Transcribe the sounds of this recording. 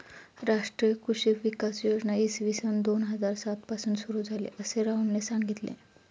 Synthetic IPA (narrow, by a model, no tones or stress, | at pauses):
ɾaʂʈɾijkuɕiɾʋikasjod͡znaisʋisənd̪onɦəd͡zaɾsat̪pasuːnsuɾuːd͡zʱalḛʔəseɾauɳlesãŋɡit̪lḛ̃